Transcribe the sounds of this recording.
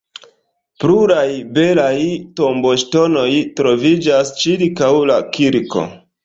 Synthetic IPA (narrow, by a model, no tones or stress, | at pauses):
pluɾajbe̞lajto̞mbo̞ʃto̞no̞jtɾo̞vid͡ʒast͡ʃiɾkawlakiɾko̞̰